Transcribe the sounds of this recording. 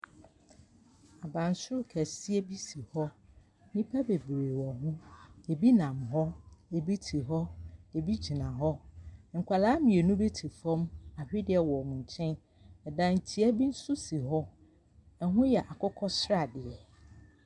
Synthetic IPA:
a˨bã˨n˨sʊ˦ʊ˦kʰæ˨si˦e˦bi˦si˨hɔ˦ | nĩ˦pʰæ˦be˨bɾeː˨wɔ˨ɦʊ̃˦e˨bi˦nã˨mɦɔ˦e˨bi˦tʰi˨ɦɔ˦e˨bi˦d͡ʑi˨nã˨ɦɔ˦ŋ̩˨kʷʰa˨laː˨˦mɪ̃˨e˨nũ˦be˦tʰi˨fɔ̃˦ma˨hᶣɪ˦dɪ˦ɛ˨wɔ˨nʊ̃˨ɲ˨t͡ɕʰɛ̃˦n | ɛ˨dã˨n̩˨tʰi˨æ˦bi˦n̩˦sʊ˦si˨ɦɔ˦ | ɛ˨ɦʊ̃˦jɛ˨ʔa˨kʰɔ˦kʰɔ˦sɾa˨dɪ˨ɛ˨

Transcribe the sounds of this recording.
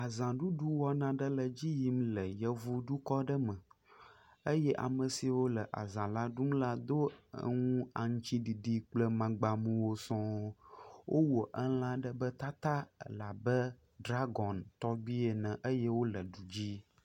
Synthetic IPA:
a˨zã˨ɖu˦ɖu˦wɔ˦nã˦ɖə˦lə˨d͡ʑi˦ji˦mlə˨jə˦vu˦ɖu˦kɔ˦ɖə˦mə̃˨ | ə˦jɛ˦ʔa̰˨mə̃˨si˨wo˦lə˨ʔa̰˨zã˨la˦ɖu˦m˦la˦d̪o̰˦˨ŋũ˦a̰˨ŋũ˦t͡ɕi˦ɖi˨ɖi˨k͡plə˦mã˨ɡ͡ba˨mũ˨wo˦sɔ̃˦ | wʔo˦wo˨ʔə˦lã˦ɖə˦bə˦t̪a˦t̪a̰˦˨la˨bə˦ | ɖɾa˦ɡɔ˨nt̪ɔ˦bi˦e˨nə̃˨ʔə˦jɛ˦wo˦lə˨ɖu˨d͡ʑi˦

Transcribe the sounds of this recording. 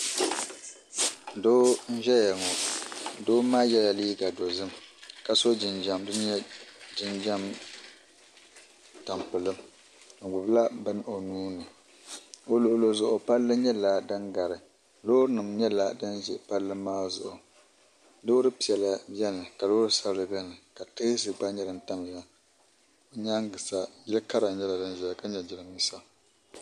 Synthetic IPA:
doː˦n̩˦ʒɛ˦ja˨ŋo˨doː˦maː˦jɛ˦la˨liː˦ɡa˨do˨zɨ˦mka˨so˦d͡ʒɪ˨nd͡ʒa˨mdɨ˦ɲɛ˦d͡ʒɪ˦nd͡ʒa˦m | ta˨mpɨ˨lɨ˦m | ŋ̩˨ɡ͡bʊ˨bla˦bɨ˦n˦o˨nuː˦nɨ˨ | o˦lo˦ʔlo˦zʊ˨ʔʊ˨pa˦lːɨ˦ɲɛ˦la˨dɨ˦ŋɡa˨ɾɨ˨ | loː˦ɾnɨ˨mɲɛ˦la˦dɨ˦nʒɛ˨pa˦lːɨ˦maː˦zʊ̰˨ʔʊ˨ | lo˦ɾɨ˦pi˨ɛ˨la˨bjɛ˦nɨ˨ka˨loː˦ɾɨ˦sa˦blɨ˨bɛ˦nɨ˨ka˨tɨ˦sɨ˨ɡ͡ba˦ɲɛ˦dɨ˨nta˦m˨la˦ | o˨ɲa˦ŋ˦ɡɨ˨sa˨jɪ˦lka˦ɾa˨ɲɛ˦la˨dɨ˦n˦ʒɛ˨a˨ka˦ɲɛ˨d͡ʒɪ˦ɾɨ˨mi˦sa˦

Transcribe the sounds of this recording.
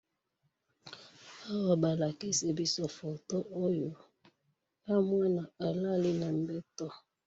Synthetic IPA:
a˦wa˨ba˨la˨ki˦se˨bi˦sɔ˦fo˨to˦ʔo˦jo˨ | ja˦mwa˦na˨a˨la˦li˦na˨m˦bɛ˦tɔ˦

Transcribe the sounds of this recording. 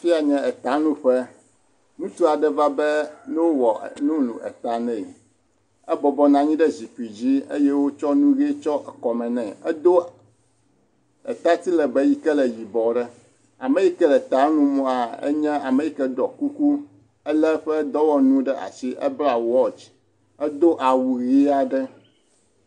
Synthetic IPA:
fi˦a˨ɲɛ̃˦ɛ˨t̪a˨˦nũ˦ɸɛ˦ | nũ˦t̪u˦a˨ɖɛ˦va˦bɛ˦nɛ̃˦wo˦wɔ˨nũ˦lṵ̃˨ʔɛ̰˨t̪a˨nɛ̃˨ | ɛ˦bɔ˨bɔ˦nã˦ɲĩ˦ɖɛ˦zi˨ku˨i˨d͡ʑi˦e˦jɛ˦wo˦t͡ʃɔ˦nũ˦ɣe˦t͡ʃɔ˦ʔɛ˨kɔ˨mɛ̃˨nɛ̃˨ɛ˦d̪o˦ | ɛ˨t̪a˦t̪i˦lɛ˨bɛ˦ji˦kɛ˦lɛ˨ji˨bɔ˨ɖɛ˦ | a˨mɛ˦ji˦kɛ˦lɛ˨t̪a˨˦nũ˦mɔ̃˦a˨ɛ̰˦ɲɛ̃˦a˨me˨ji˦kɛ˦ɖɔ˨ku˦ku˦ | ɛ˦lɛ˦ɸɛ˦d̪ɔ˦wɔ˦nũ˦ɖɛ˦ʔa̰˨si˦ʔə̰˦bla˨wɔ˦t͡ʃ | ɛ˦d̪o˦ʔa˨wu˨ɣi˦a˦ɖɛ˦

